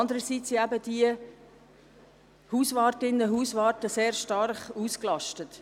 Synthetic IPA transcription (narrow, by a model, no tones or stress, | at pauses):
ndəɾəsiːtt͡siæbəd̥iə | huːsvɑːɾtɪnːəɦuːsʋɑːɾtəseːɾʃtɑrχuːsklɑʃtət